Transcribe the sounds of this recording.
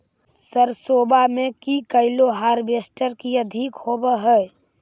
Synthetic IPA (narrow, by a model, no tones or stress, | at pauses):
səɾsoːbamẽkikəɪloɦaːɾbesʈəɾkiəd̪ʱikhoːbəɦɛː